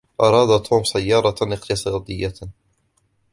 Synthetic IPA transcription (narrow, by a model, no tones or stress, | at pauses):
ʔɑɾˤɑːd̪at̪ʰuːmsajːɑːɾˤɑɪqt̪ɨsˤɑːd̪ɪjːa